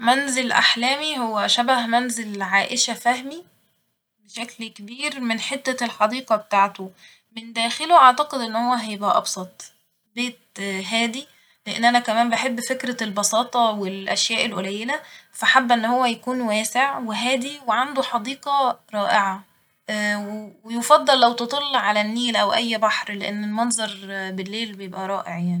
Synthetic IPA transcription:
mænzelʔa̰ħlæːmiɦhowːæʃæbæhmænzelʕaːʔeʃæfæhmi | beʃæklkebiːɾmenħet̪ːælħɑd̪iːqɑbet̪aːʕt̪o | mend̪æːxeloʔɑʕt̪ɑqed̪ʔenːhowːæɦæjebʔæʔɑ̰bsˤɑt̪ˤ | beːt̪̚ɦæːd̪i | leʔḛnːʔænækæmæːmbeħebːfekɾælbɑsɑːt̪ˤɑwelʔæʃjæːʔelʔolæjːelæfæħabːʔenːhowːæjækuːnwæːseʕweɦæːd̪iweʕand̪oħɑd̪iːqɑɾˤɑːʔeʕɑ | wewejofɑd̪ˤːɑlːæwt̪et̪ˤɑlːʕalænːiːlʔæwʔæjːbɑħɾleʔenːelmɑnzˤɑɾˤbelːeːlbejebʔæɾˤɑːʔeʕjaʕnii

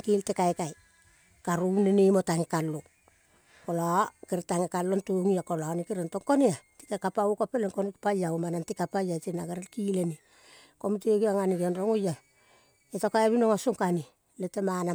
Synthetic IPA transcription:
kiltekajkaj | kaɾunenemotaŋekalo | kolakeɾetaŋekalːontoŋiakolanikeɾentoŋkoneati̥kekapaukapeleŋkonkpajaumanantikapajatinaɡeɾelkileni | komiteɡiaŋaniɡonɾoŋoja | etokaeβinoŋasoŋkani | letemana

